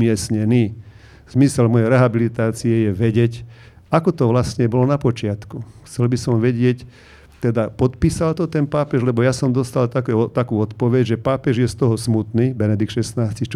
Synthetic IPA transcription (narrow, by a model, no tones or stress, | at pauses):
mɪɛsɲɛniː | z̥misɛlmɔjɛɾɛɦabilit̪aːt͡siɛjɛʋɛɟɛc | akɔt̪ɔʋlasɲɛbɔlɔnapɔt͡ʃɪat̪kuxt͡sɛlbisɔmʋɛɟɪɛc | t̪ɛd̪apɔt̪piːsalt̪ɔt̪ɛnpaːpɛʒlɛbɔjasɔmd̪ɔst̪alt̪akɛɔt̪akuːɔt̪pɔʋɛɟʒɛpaːpɛʒjɛst̪ɔɦɔsmut̪niːbɛnɛd̪ikt̪ʃɛsnaːscixt͡ʃ